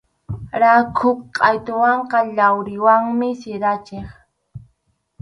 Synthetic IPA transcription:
ɾakʰʊkqʼɑjt̪ʊwɑɴqɑʎawɾɪwaŋmɪsɪɾat͡ʃeχ

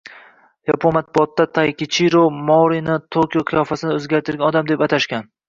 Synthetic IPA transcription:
japʰonmat̪̚bʊɒt̪ːat̪ʰajkʲɪt͡ʃʰiɾomɒɾinɪt̪ʰokʲjoqʰɨjɒfasɪnɪɵzɡʲaɾt̪ɪɾɡʲanɒd̪amd̪e̞pat̪ʰaʃkʲan

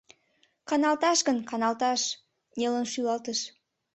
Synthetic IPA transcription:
kɑnɑlt̪ɑʃɡənkɑnɑlt̪ɑʃ | nʲelənʃylɑlt̪əʃ

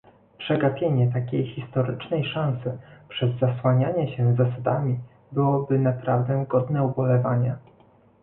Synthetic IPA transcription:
pʂɛɡapʲjeɲɛt̪akʲejxʲist̪ɔɾɘt͡ʂnɛjʂansɘpʂɛzːaswaɲaɲɛɕɛzːasad̪amʲi | bɘwɔbɘnapɾavd̪ɛɡɔd̪nɛubɔlɛvaɲɛ

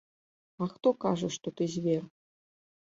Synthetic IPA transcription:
axt̪okaʐəʂt̪ot̪ɨzʲvʲer

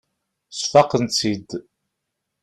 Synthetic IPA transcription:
sfɑqənt͡sːid̪

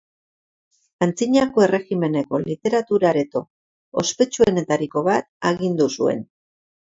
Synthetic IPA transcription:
ant͡siɲako̞e̞re̞ɣime̞ne̞ko̞lit̪e̞ɾat̪uɾaɾe̞t̪o̞ | o̰spe̞t͡ʃue̞ne̞t̪aɾiko̞βat̪̚aɣind̪usue̞̰n

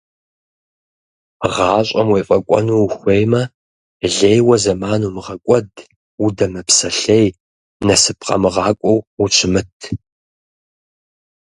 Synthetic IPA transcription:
ʁɑːɕʷʼɐmwejfʼɐkʷʼɔ̰nuːxʷejmɐ | ɮejwɐzɐmaːnuːmɨʁɐkʷʼɔd | wudɐmɨpsɐɬej | nɐsɨp̚ʰqʼɐ̰mɨʁɑːkʷʼɔwut͡ʃʷʰɪmɨtʰ

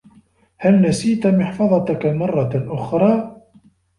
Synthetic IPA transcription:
halnasiːt̪mɪħfɑðˤɑt̪kamɑrˤːɑʔʊxɾˤɑː

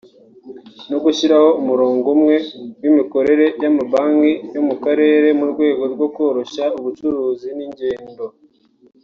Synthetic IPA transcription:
no̞ɡuʃiɾaho̞umuɾoːŋɡumŋe̞wimiko̞ɾe̞ɾe̞jamaβaːŋɡijomukaɾe̞ːɾe̞muɾɡwe̞ːɡo̞ɾɡwo̞kwo̞ɾo̞ʃauβut͡ʃuɾuːziniɲɟe̞ːndo̞

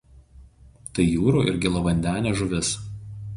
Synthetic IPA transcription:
t̪ɐɪjuːɾuːʔɪ̰ɾʲɡʲɪlˠoʋɐnʲd̪ʲæːnʲeːʒʊʋʲɪs

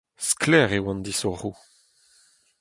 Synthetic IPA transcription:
sklɛːʁewɑ̃nd̪isɔʁu

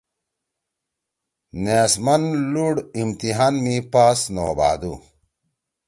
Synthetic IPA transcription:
neːsmɐnluɽimt̪iɦaːnmipaːsno̰ːba̰ːd̪u

